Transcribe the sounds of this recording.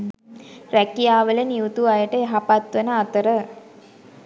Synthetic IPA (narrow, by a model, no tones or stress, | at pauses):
ɾækijaːʋələniut̪uajəʈəeɦapat̪ʋənəat̪əɾə